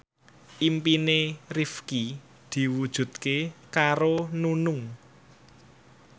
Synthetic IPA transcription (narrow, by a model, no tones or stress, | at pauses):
ʔimpinerifki | d̪̥i̤wud̥ʒ̥ṳt̪̚kekaɾonunʊŋ